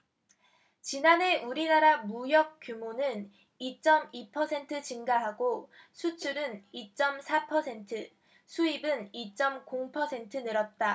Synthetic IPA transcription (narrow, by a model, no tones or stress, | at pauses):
t͡ɕinane̞ʔuɾinaɾamujʌk̚k͈jumonɯn | it͡ɕ͈ʌmipʰʌsʰe̞ntʰɯt͡ɕiŋɡaɦaɡosʰut͡ɕʰuɾɯnit͡ɕ͈ʌmsʰapʰʌsʰe̞ntʰɯ | sʰuibɯnit͡ɕ͈ʌmkoŋpʰʌsʰe̞ntʰɯnɯɾʌt̚t͈a